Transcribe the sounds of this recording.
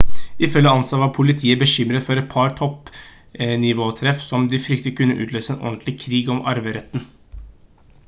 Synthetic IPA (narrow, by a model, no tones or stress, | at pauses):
ɪfœlːəɑnsɑʋɑɾpʰʊlɪt̪ʰiːəbəʃʏmɾət̪fɔɾɛt̪̚pʰɑɾt̪ʰɔp | nɪʋoːt̪ʰɾɛfsɔmd̪ɪfɾʏk̚t̪əkʰʉnːəʔʉ̰ːt̪løːsəeːnʔɔ̰nt̪lɪkʰɾiːɡɔmɑ̰ɾʋəɾɛt̪ːn̩